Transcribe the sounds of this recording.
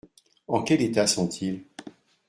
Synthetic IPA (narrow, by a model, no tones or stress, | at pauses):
ɑ̃kʲɛlet̪asɔ̃t̪ʰil